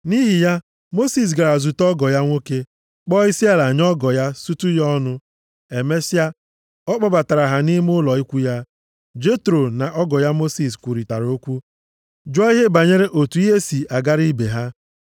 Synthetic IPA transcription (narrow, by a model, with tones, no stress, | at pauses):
ni˦ɦi˨ja˦ | mo˦si˨s̬ɡa˨ɾa˨zu˨tɔ˦ɡɔ˨ja˦ŋʷo˦ke˦ | k͡pɔ˦i˦si˦a˦la˨ɲ˦ɔ˦ɡɔ˨ja˦su˦tu˦jɔ˦nʊ˦ | e˨me˦si˦a˦ | ɔ˦k͡pɔ˨ba˨ta˨ɾa˨ɦa˨ni˦m˦ʊ˦lɔ˨i˦kʷu˦ja˦ | d͡ʒe˦tɾo˨na˨ʔɔ˦ɡɔ˨ja˦mo˦si˨skʷu˨ɾi˨ta˨ɾo˦kʷu˦ | d͡ʒɔ˦i˦ɦe˦ba˨ɲe˦ɾe˦ʔo˨tu˨i˦ɦe˦si˨ʔa˨ɡa˦ɾi˦be˨ɦa˦